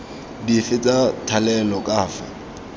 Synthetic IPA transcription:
difɪt͡sʼatʰalɛlɔkʼaːfa̰

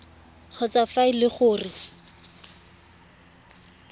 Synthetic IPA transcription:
k͡xʰɔt͡safaɪlɪχʊːrɪ

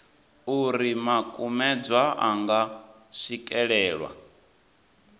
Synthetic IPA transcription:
uɾimakʼumɛd͡zwaʔaŋɡa | ʃikʼɛɺɛːɺwa̰

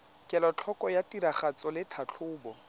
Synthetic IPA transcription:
kʼɛlɔt͡ɬʰɔkʼɔjatʼiɾaχat͡sʼɔlɪtʰat͡ɬʰʊːbɔ

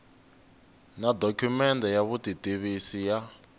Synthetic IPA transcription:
nadɔkʰumɛndɛjaβutitiβisija

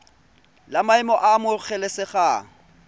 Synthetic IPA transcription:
lamaɪmɔʔamʊk͡xʰɛlesɪχaːŋ̩

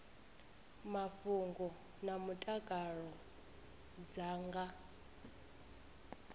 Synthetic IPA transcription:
mafuŋɡɔ | namutʼakʼaɺɔ | d͡zaːŋɡa

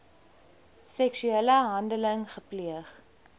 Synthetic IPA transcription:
sɛksyɛləɦɐndələŋχəpliəχ

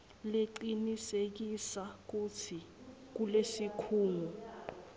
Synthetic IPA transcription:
leǃinisek̬isak̬utʰik̬ulesikʰuːŋu

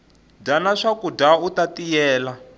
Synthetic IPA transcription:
danaʂakudautatijɛːla

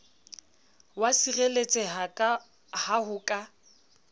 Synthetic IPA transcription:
wasirelet͡sʼɛɦakʼa | hahʊkʼa

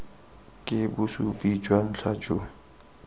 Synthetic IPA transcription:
kʼɪbʊsupʼid͡ʒwan̩ɬʰḁd͡ʒo

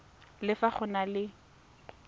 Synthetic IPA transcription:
lɪfaχʊnalɪ

